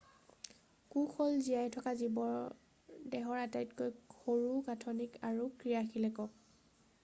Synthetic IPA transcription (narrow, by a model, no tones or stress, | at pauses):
kuxʰɔlzijajtʰɔkazibɔɹ | dɛɦɔɹatajtkojxoɹuɡatʰɔnikaɹukɹijaxilɛkɔk̚